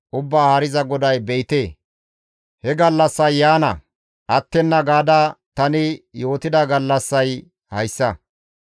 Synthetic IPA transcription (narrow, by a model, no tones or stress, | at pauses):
ʔʊbːaːhaːɾɪzɐɡɔd̪ɐjbɛjɪt̪eː | hɛɡɐlːɐsːɐjːaːnɐ̰ | ʔɐt̪ːɛnːɐɡaːd̪ɐt̪ɐnɪjo̞ːt̪ɪd̪ɐɡɐlːɐsːɐj | hɐjsːɐ